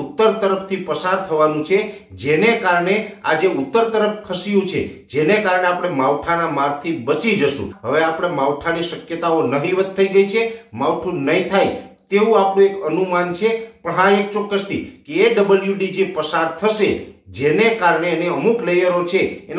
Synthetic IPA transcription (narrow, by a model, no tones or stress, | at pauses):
ut̪ːəɾt̪əɾəft̪ʰipəsaɾt̪ʰəʋanũt͡ʃʰe | d͡ʒenekaɾɳead͡ʒeʊt̪ːəɾt̪əɾəfkʰəʃijũt͡ʃʰḛd͡ʒenekaɾɳeapɽ̃emaʋʈʰanamaɾt̪ʰibət͡ʃid͡ʒəʃṵ̃ɦəʋeapəɽ̃emaʋʈʰaniʃəkjət̪aonəɦiʋət̪ʰːəiɡəit͡ʃʰemaʋʈʰũnəɦĩt̪ʰajt̪eʋũapɳũekənumant͡ʃʰepəɽɦaek̚t͡ʃɔkːəst̪ʰikeːɖəbəljuɖid͡ʒepəsaɾt̪ʰəʃed͡ʒenekaɾɳeːneəmuklejəɾot͡ʃʰeːn